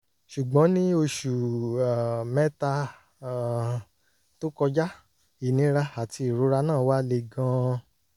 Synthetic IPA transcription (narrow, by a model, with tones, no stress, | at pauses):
ʃu˨ɡ͡bɔ̃˨˦nĩ˦o˧ʃu˨a˨mɛ˦ta˧˦ | to˦kɔ˧d͡ʒa˦ | i˨nĩ˨˦ɾa˧a˨ti˧i˨ɾu˨˦ɾa˧nãː˦˨wa˦le˧˨ɡã˧